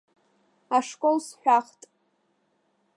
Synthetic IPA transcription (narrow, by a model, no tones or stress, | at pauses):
aʂkʼolsħʷᶣaχtʼ